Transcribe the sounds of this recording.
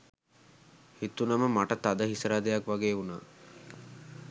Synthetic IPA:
hit̪unɐməmaʈət̪ad̪əɦisəɾaːd̪ejakʋaɡeːunaː

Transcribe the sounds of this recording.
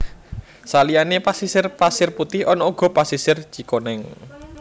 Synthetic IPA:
salijanepasisɪrpasɪrput̪ɪhɔnɔuɡ̥ɔ̤pasisɪr̥d͡ʒ̥i̤konɛŋ

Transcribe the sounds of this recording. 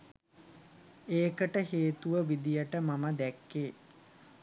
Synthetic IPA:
eːkəʈəɦeːt̪uʋəʋid̪ijəʈəmaməd̪ækːeː

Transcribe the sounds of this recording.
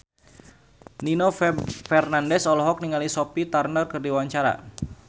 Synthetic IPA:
ninofɛrnandɛsɔlɔɦɔk̚niŋalisɔpit̪arnərkɨrdiwaɲt͡ʃaɾa̰

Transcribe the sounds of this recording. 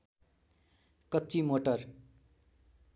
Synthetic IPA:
kʌtːimoʈʌr

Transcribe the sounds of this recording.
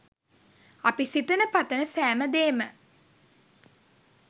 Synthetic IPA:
apisit̪ənəpat̪ənəsæːməd̪eːmə

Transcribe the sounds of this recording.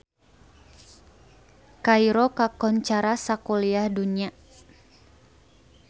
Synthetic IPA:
kaiɾɔkakɔnt͡ʃaɾasakuliahdunia

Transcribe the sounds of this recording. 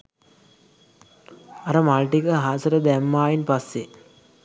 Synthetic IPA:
ɐɾəmalʈikəɦaːsəɾəd̪ɛmːaːinpasːe

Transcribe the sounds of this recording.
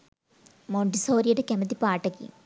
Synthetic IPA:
moɳɖisoːɾijɐɽekemɐt̪ipaːʈːɐkḭ

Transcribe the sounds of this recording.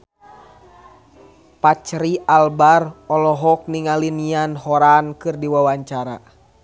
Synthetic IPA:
pat͡ʃɾialbarɔlɔɦɔk̚niŋalinianɦɔɾankɨrdiwawaɲt͡ʃaɾa̰

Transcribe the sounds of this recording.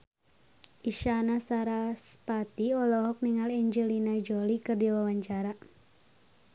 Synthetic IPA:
ʔiʃanasaɾaspat̪iɔlɔɦɔk̚niŋalɛɲd͡ʒəlinaid͡ʒɔlikɨrdiwawaɲt͡ʃaɾa

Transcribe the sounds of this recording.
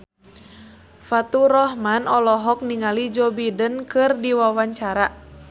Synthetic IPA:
fat̪uɾɔɦmanɔlɔɦɔk̚niŋalid͡ʒɔbidənkɨrdiwawaɲt͡ʃaɾa

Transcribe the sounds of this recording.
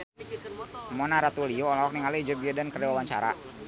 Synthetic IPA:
mɔnaɾat̪uliɔɔlawak̚niŋalid͡ʒɔbiɔdankərdawawaɲt͡ʃa̰ɾa̰

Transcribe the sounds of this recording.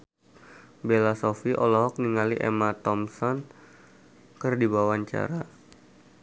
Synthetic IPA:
belasɔfiʔɔlɔɦɔk̚niŋaliʔḛmat̪ɔmsɔn | kɨrdibawaɲt͡ʃa̰ɾa

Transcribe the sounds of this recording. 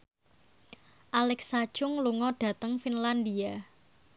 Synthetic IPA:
ʔalɛksḁʒ̥ʊŋluŋɔɖ̥ä̤t̪əŋfinland̪ia

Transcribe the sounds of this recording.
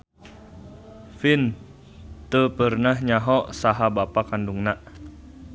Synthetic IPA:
fin | t̪əpərnahɲaɦɔʔsaɦabapakanduŋnaʔ

